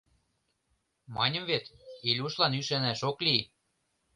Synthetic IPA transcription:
mɑnʲɤ̆mβet̪ilʲuʃlɑnyʃænæʃokli

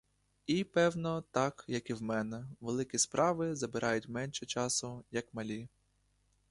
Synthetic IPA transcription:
ipɛwnɔt̪ɑkjɐkiwmɛnɛʋelˠɪkʲispɾʔɑʋɪzɐbɪɾʔɑjʊtʲmɛnʃɛt͡ʃɑsʊjɐkmɐlʲi

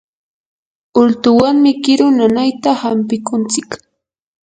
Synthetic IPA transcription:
ʊlt̪ʊwaŋmɪkɪɾʊnanajt̪ahampɪkʊnt͡sɪk

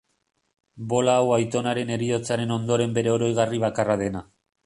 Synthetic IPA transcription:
bo̞laːwajt̪o̞naɾe̞ne̞ɾio̞t͡saɾe̞no̞nd̪o̞ɾe̞mbe̞ɾe̞oɾo̞jɣ̞ariβ̞akarað̞e̞na

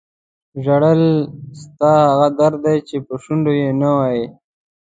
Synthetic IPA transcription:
ʒaɽəlst̪ɑhaɣad̪aɾd̪ajt͡ʃepəʃʊɳɖojenawaje

